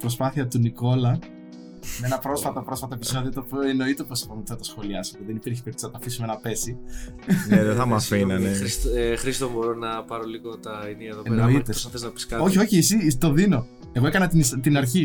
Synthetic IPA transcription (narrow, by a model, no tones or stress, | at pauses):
pɾo̞spɐθiɐt̪uniko̞lɐ | nenɐpɾo̞sfɐt̪opɾo̞sfɐt̪oe̞piso̞ðiot̪opieno̞it̪eoposipomp̪θɐt̪ɐsxo̞liɐsepuðenit̪ɾiçi̥peɾt̪i̥sɐt̪ɐfisume̞nɐpe̞si | nðeθɐmɐfinɐneisxɾist̪oboɾonɐpɐɾoliɣot̪ɐiniɐeðoenoit̪epsɐθeznɐpi̥skɐo̞çio̞çiesit̪o̞ðino̞ | e̞ɣoekɐnɐt̪inist̪inɐɾçi